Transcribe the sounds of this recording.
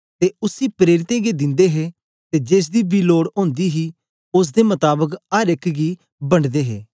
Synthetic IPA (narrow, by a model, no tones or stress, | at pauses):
t̪eʊsipɾeːɾɪt̪ẽːɡed̪ɪ̃nd̪eɦeː | t̪eːd͡ʒeːs̬d̪ibiːloːɽõːnd̪iːɦiː | ʊs̬d̪emɐt̪aːbəkɐɾɪkɡi | bɐɳɖd̪eːɦḛː